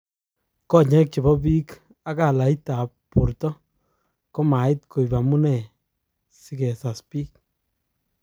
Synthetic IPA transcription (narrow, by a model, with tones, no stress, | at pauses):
kɔ˦ɲɛ˦k̚t͡ʃe˨bɔ˦bi˦k | a˦ka˨la˨i˦ta˨pːu˨ɾtɔ˦ | kɔ˦ma˨ɪ˦t̚ko˨i˨ba˨mu˦nɛ˨ | si˦kɛ˨sa˨spiː˦k̚